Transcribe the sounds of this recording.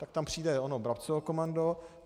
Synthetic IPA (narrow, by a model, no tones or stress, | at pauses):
t̪ak̚t̪ampr̝̥iːdɛonobɾapt͡sovokomando